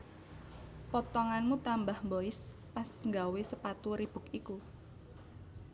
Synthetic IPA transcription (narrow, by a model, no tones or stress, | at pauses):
pɔt̪ɔŋanmut̪ambahmboɪspasŋɡawesəpat̪uɾib̥ʊ̤kiku